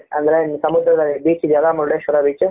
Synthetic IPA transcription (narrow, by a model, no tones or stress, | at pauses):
ɐ̰nd̪ɐɾensɐmud̪ɾɐd̪ɐlːibiːt͡ʃid̪jɐlːaːmɐɾɽeʃʋɐɾabiːt͡ʃu